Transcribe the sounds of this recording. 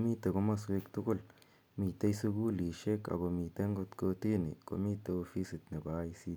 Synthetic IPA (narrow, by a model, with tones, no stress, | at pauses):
mi˦t̪a˨ko˦ma˦swe˦˧kt̪u˦ɡo˦l | mi˨t̪e˦jsu˦ɡu˦li˨ʃe˦ka̰˨ba˨mi˨t̪e˦ŋɡo˦˧t̪ko˧t̪i˦nḭ˨ko̰˨mi˦t̪a˧o˧fi˦si˨t̪ne˨ba˨˦i˧si˧